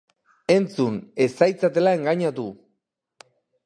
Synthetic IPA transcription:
e̞nt͡sune̞sajt͡sat̪e̞lae̞ŋɡaɲat̪u

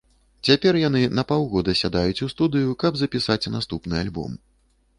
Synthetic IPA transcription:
t͡sʲapʲɛrjan̪ɨnɐpawɣɔd̪ɐsʲad̪ajut͡sʲust̪ud̪ɨjukɐbzɐpʲisat͡sʲnast̪upnɨalʲbɔ̰m

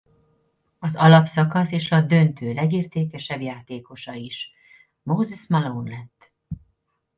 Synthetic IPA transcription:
ɒzɒlɒpsɒkɒseːʃɒd̪ø̞nt̪ʰøːlɛɡiːrt̪eːkɛʃɛbjaːt̪eːko̞ʃɒiʃ | moːzɛsmalounlɛt̪ː

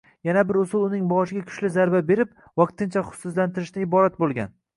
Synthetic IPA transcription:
janabɪɾʊsʊlˠʊnɪŋbɒʃɪɡʲakʰʊ̥ʃlɪzaɾbabe̞ɾɪp̚ | vɑq̚t̪ɪnt͡ʃʰaχʊ̥sʊslant̪ʰɪɾɪʃnɪɪbɒɾat̪̚bolˠɡʲa̰n

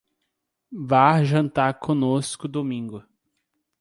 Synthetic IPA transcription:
vaʒɐ̃nt̪aɾkʰõnoskʊd̪omĩŋɡʊ

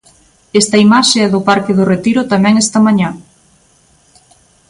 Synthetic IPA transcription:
est̪ɐimaʃeɛðʊpaɾkɪðʊret̪iɾʊt̪amɛ̃ŋest̪ɐmaɲa

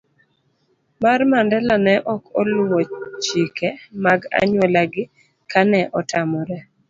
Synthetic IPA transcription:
marmandɛlanɛʔɔkɔ̰lʊwɔt͡ʃikemaɡa̰ɲwɛlaɡɪ | kanɛʔɔtʰamɔɾɛ

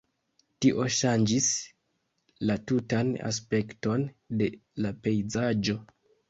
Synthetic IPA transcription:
tiʔo̞ʃand͡ʒis | latutana̰s̬pe̞kto̞nde̞lape̞jzad͡ʒo̞

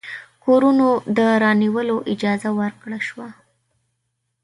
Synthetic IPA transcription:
koɾunod̪əɾɑniwəloʔɪd͡ʒɑzawəɾkɽaʃwa

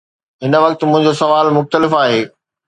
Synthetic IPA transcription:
ɦɪnə̆ʋɐk̚t̪mʊ̃ɦɪ̃ɲd͡ʑosɐʋaːlmʊxt̪əlɪfaːɦeː

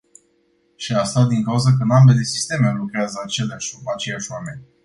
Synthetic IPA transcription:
ʃiast̪ad̪iŋkauzək̬əɨnambe̞le̞si̥st̪e̞melukɾeazəat͡ʃe̞leaʃat͡ʃe̞jaʃwame̞nʲ

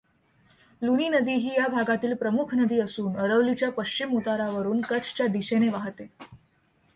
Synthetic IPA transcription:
luniːnəd̪iɦiːjabʱaɡat̪iːlpɾəmukʰnəd̪iːəsuːnəɾəʋlit͡ɕjapəɕt͡ɕimɦut̪aɾaʋəɾuːnkət͡st͡ɕjad̪iɕeneʋaɦt̪e

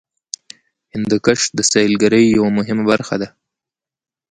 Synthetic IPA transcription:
hɪnd̪əkəʂd̪əsɑjlɡaɾəjːawamʊɦɪmabaɾxa̰d̪a

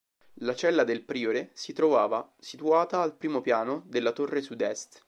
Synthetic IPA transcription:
lat͡ʃɛlːad̪elpɾiːoɾesit̪ɾovaːvasit̪uaːt̪aːlpɾiːmopjaːnod̪elːat̪orːesud̪ɛst̪

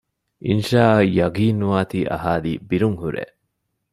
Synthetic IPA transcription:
ʔinʃaːjɐɡiːnːuʋaːt̪iːʔɐ̰ɦaːliːbiɾuŋhuɾḛ

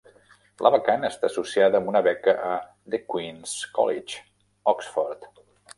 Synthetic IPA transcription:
lʔə̰βəkanəːst̪aːsusiaðəːmbunəβɛkəʔə | ðəkwinskɔ̰lit͡ʃ | ɔksfɔɾt̪

